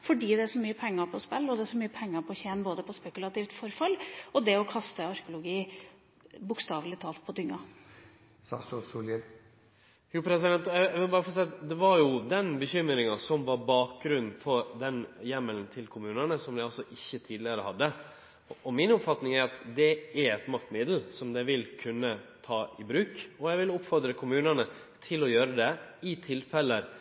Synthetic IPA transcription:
fɔɖiːd̪ɛæʂɔmyːəpʰɛŋːɑɾpʰɔspɛlːɔd̪ɛʂɔmyːəpʰɛŋːɑɾpʰɔçɛːnboːd̪əpʰɔspɛkʉlɑt̪iːft̪fɔɾfɑlːɔd̪ɛɔkʰɑst̪əɑɾkʊlʊɡiː | bʊkst̪ɑːʋlɪt̪ʰɑːlt̪̚pʰɔd̪ʏŋːɑ | sɑ̰sɔsuːljə | juːpʰɾɛs̬ɪd̪ɛnt̪ʋɪlbɑːɾəfɔɾsɛːɑt̪d̪ɛʋɑɾjʊd̪ɛnbəçʏmːɾɪŋɑsɔmʋɑɾbɑːk̚ɡɾʉn̩fɔɾd̪ɛnjɛməln̩t̪ʰɪlkʰʊmʉːnənəsɔmd̪æɪɑlsɔʔɪçːət̪ʰiːd̪lɪəɾəhɑd̪ːə | ʔɔmɪnɔpfɑt̪nɪŋæɾɑt̪d̪ɛæɾɛt̪mɑkt̪mɪd̪l̩sɔmd̪ɛʋɪlkʰʉnːət̪ʰɑːɪbɾʉːkɔjæɪʋɪlʊpːfɔɾd̪ɾəkʰʊmʉːnənə | t̪ʰɪlɔjøːɾəd̪ɛɪt̪ʰɪlfɛlːə

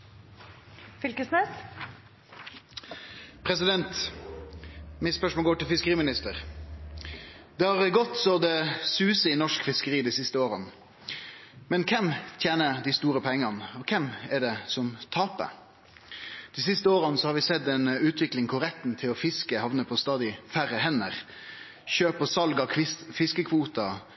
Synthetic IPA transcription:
fɪlkəsneːs | pʰɾɛsɪd̪ɛnt̪ | mɪspœʂmɔlɡoːʈɪlfɪskəʁiːmɪnɪst̪əʁ | d̪̥ɛhɑʁɡɔt̪sɔd̪ɛsʉːsəɪnɔʂkfɪskəʁiːd̪iːsɪst̪əoːʁən | mɛnkʰɛmt̪ʰjeːnəd̪ɪst̪uːɾəpʰɛŋːɑnəɔkʰɛmɛɖɛsɔmt̪ʰɑːpə̰ | d̪̥iːsɪst̪əoːʁɑnsɔhɑɾʋɪsɛd̪ɛnʉːt̪ʰʋɪklɪŋkʰʊɾɛt̪nt̪ʰɪlɔfɪskəhɑʋnəpʰɔst̪ɑːd̪ɪfæɾəɦɛnːəʁ | çøːpɔsɑlɡɑɪfɪskəkʰʋuːt̪ɑ

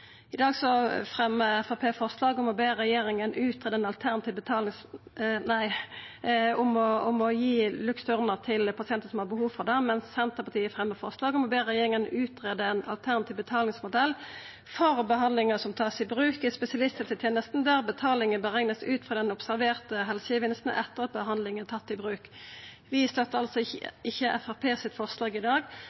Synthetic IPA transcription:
ɪd̪ɑːɡsɔfʁɛmːəɛfɑpʰeːfɔʁslɑːɡɔmɔbeːʁɛjeːɾɪŋənʔʉːt̪ɾeːd̪əɛnɑlt̪ʰæʁnɑt̪iːʋbət̪ʰɑːlɪŋsnæɪ | ɔmɔɔmɔjiːlʉksœʁnəʁt̪ʰɪlpʰɑsɪɛnt̪əsɔmhɑʁbəhuːʋfɔʁd̪ɛmɛnsːɛnt̪əʁpɑt̪iːəfʁɛmːəfɔʁslɑːɡɔmɔbeːʁɛjeːɾɪŋənʉːt̪ɾeːd̪əɛnɑ̰lt̪ʰæʁnɑt̪iːʋbət̪ʰɑːlɪŋsmʊd̪ɛlː | fɔʁbəɦɑnd̪lɪŋəsɔmt̪ʰɑːsɪbʁʉːkɪspɛsɪɑlɪst̪ɪlt̪ɪt̪ʰeːnəst̪n̩d̪æʁbət̪ʰɑːlɪŋəbəʁɛŋnəsʉːt̪fʁɑːd̪ɛnʊpsæʁʋeːʁt̪əɦɛlsəəʋɪnst̪n̩ʔɛt̪ːəʁɑt̪̚bəɦɑnd̪lɪŋənt̪ʰɑt̪ːɪbʁʉːk | ʋɪst̪œt̪ːəɑlsɔɪçːəʔɛ̰fæʁpʰeːsɪt̪fɔʁslɑːɡɪd̪ɑːɡ

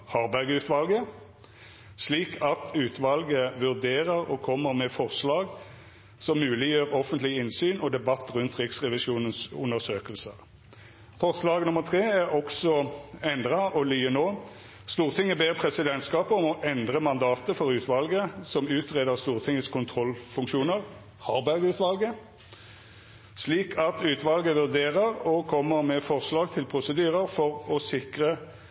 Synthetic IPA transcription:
hɑʁbæʁɡʉːt̪ʋɑlɡə | sliːkʰɑt̪ʰʉːt̪ʰʋɑlɡəʋʉʁd̪eːʁəʁɔ̰kʰɔmːəʁmɛfɔʁslɑːɡ | sɔmːʉːlɪjøːʁɔfənt̪lɪəɪnsyːnɔd̪ɛbɑt̪ːʁʉnt̪ʁɪksʁɛʋɪʃuːnənsʉnəsøːkəlsəʁ | fɔʁslɑːɡnʊmːəʁt̪ʰʁeːæʁɔksɔɛnd̪ʁɑʔɔlyːənoː | st̪uːʁt̪ʰɪŋːəbeːʁpʰʁɛsɪd̪ɛnt̪skɑːpəɔmɔʔɛnd̪ʁəmɑnd̪ɑːt̪əfɔʁʉːt̪ʋɑlɡəsɔmʉːt̪ʁeːd̪əʁst̪uːʁt̪ʰɪŋːəskʰʊnt̪ʰʁɔlfʉŋkʃuːnəʁ | hɑʁbæɡʉːt̪ʋɑlɡə | sliːkʰɑt̪ʉːt̪ʋɑlɡəʋʉʁd̪eːʁəʁɔkʰɔmːəʁmɛfɔʁslɑːɡ̚t̪ʰɪlpʰʁʊsəd̪yːʁəʁfɔʁɔsɪkʁə

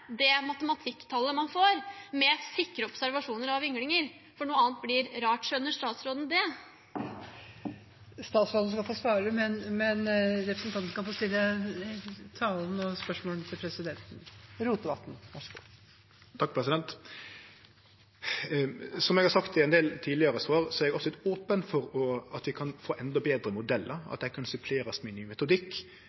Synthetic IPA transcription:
d̪ɛmɑt̪əmɑt̪ʰɪkːt̪ʰɑlːəmɑnfoːɾmɛsɪkːɾəɔpsæɾʋɑʂuːnəɾɑʋʏŋlɪŋəɾ | fɔɳuːəɑːnt̪̚blɪɾɾɑːʈʂœnːəʂt̪ɑːt̪sɾoːd̪n̩d̪ɛ | st̪ɑːt̪sɾoːd̪n̩skɑfoːsʋɑːɾəmɛnmɛnɾɛpɾəsn̩t̪ʰɑnn̩kɑfoːst̪ɪlːə | t̪ʰɑːln̩ɔspœʂmoːlət̪ʰɪlpʰɾɛsɪd̪ɛnt̪n̩ɾuːt̪d̪əbɑt̪n̩ʋæʂɡṵː | t̪ʰɑk̚ːpʰɾɛsɪd̪ɛnt̪ | sɔmɛɡhɑɾsɑkt̪ɪɛnd̪eːlt̪ʰiːdlɪəɾəsʋɑːɾsɔɛɾɛɡɔfsɔlɪt̪oːpənfɔɾɔɑt̪ʋɪkʰɑnfoːʔɛnd̪ɔbeːd̪ɾəmʊd̪ɛlːəɾɑ̰t̪̚d̪æɪkʰɑnsʉpʰleːɾɑsmɛnyːmɛt̪ʊd̪ɪkː

